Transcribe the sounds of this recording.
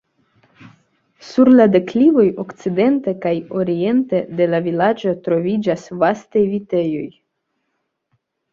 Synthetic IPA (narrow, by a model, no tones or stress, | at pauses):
suɾlade̞klivo̞jo̞kt͡side̞nte̞kajo̞ɾie̞ntede̞lavilad͡ʒo̞tɾo̞vid͡ʒasvastajvite̞jo̞j